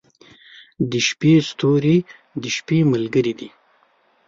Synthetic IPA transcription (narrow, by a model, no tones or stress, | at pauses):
d̪əʃpest̪oɾi | d̪əʃpeməlɡəɾid̪i